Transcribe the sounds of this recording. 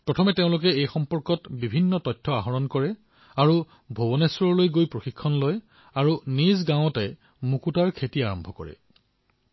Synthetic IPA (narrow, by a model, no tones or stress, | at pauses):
pɹɔtʰɔmɛteʊ̃lʊk̬ɛejxɔmpɔɹkɔtbibʱinːɔtɔjtʰːɔaɦɔɹɔnkɔɹɛ | aɹu | bʱobɔnesɹɔɹlojɡojpɹoxikʰːɔnloj | aɹunizɡãw̃ɔtɛ | mukutaɹkʰetiaɹɔmbʱɔkɔ̰ɹɛ̰